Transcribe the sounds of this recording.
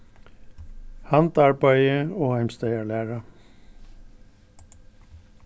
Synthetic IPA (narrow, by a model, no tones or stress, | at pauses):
hɑnt̪ɑɹbæɪəoːhæɪmst̪æɪɑɭæːɹɑ